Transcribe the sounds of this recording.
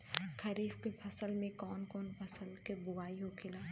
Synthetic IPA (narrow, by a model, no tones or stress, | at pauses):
kʰɐɾiːfkepʰɐsəlmẽkɔːnkɔːnpʰɐsəlkebʊɡaːiɦokʰɪlaː